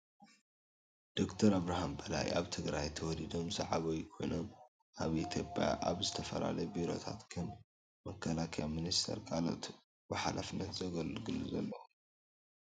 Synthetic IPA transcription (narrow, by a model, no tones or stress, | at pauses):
d̪̥o̞kt̪ʰɐɾaβɾahambɐla̰jaβt̪ʰɨɡɾajt̪ʰɐwɔlid̪o̞mzaʕaβɐwkʰo̞jnom | ʔaβit̪ʰjo̞pʼja̰ʔaβzɨt̪ʰɐfɐla̰lɐjbiɾo̞̰t̪ʰa̰t̪kʰɨn | mɐkʰːɐlakʰɐjaminist̪ʰɐ̰ɾkʰʼalo̞̰t̪ | bɨħalʔafnːɐt̪zɐɡɐlɡɨlːuzɐ̰lːɐ